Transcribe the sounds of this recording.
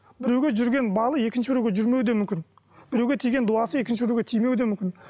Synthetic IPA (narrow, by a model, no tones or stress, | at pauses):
bɪɾewɡʲeʒʏɾɡʲe̞nbɑlˠəe̞kʲɪnʃɪbɪɾewɡʲeʒʏɾme̞wd̪emʏmkʲɪn | b̥ɪɾe̞wɡʲe̞t̪ʰijɡʲe̞nd̪uɑsəe̞kʲɪnʃɪbɪɾeɡʲet̪ʰijme̞wd̪e̞mʏmkʲɪn